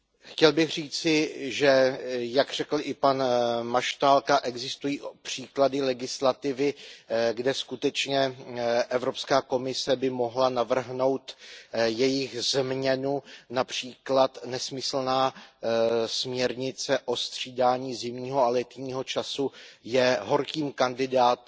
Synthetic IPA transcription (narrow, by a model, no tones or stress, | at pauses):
xcɛlbɪɣr̝iːt͡sɪʒɛjakr̝ɛkl̩ʔɪpanmaʃt̪aːlkaʔɛɡzɪst̪ujiːpr̥iːkladɪlɛɡɪslat̪ɪvɪɡdɛskut̪ɛt͡ʃɲɛʔɛvɾo̞pskaːko̞mɪsɛbɪmo̞ɦlanavr̩ɦno̞wt̪jɛjɪxzmɲɛnunapr̝̥iːklat̪nɛsmɪsl̩naː | smɲɛɾɲɪt͡sɛʔo̞st̪r̝̥iːdaːɲiːzɪmɲiːɦoalɛt̪ɲiːɦo̞t͡ʃasujɛɦo̞ɾkiːmkandɪdaːt̪